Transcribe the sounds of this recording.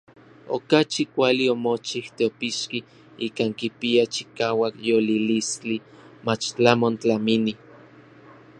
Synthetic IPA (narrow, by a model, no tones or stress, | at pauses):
o̰kat͡ʃikʷaliomot͡ʃiht̪eopiʃki | iːkaŋkipiat͡ʃi̥kaːwakjolilist͡ɬi | mat͡ʃt͡ɬamont͡ɬamini